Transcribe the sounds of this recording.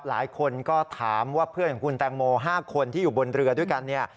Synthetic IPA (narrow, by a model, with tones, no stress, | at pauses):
p̚la̰ː˩˦jkʰo˧nkɔː˥˩t̪ʰaː˩˦mwaː˥˩pʰɯ˥˩əkʰɔ˨˩kʰu˧nt̪ɛː˧ŋmoː˧ɦaː˥˩kʰo˧nt̪ʰiː˥˩juː˨˩bo˧nɾɯ˧ɐdu˥˩jka˧nːi˥˩ɐ